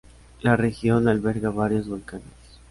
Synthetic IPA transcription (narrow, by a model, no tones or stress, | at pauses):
larexjo̞nalβe̞ɾɣaβaɾjo̞zβolkanes